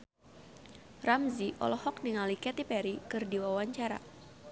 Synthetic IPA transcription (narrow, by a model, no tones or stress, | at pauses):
ramziʔɔ̰lɔhɔk̚niŋalikɛt̪ipɛɾikɨrdiwawaɲt͡ʃaɾa̰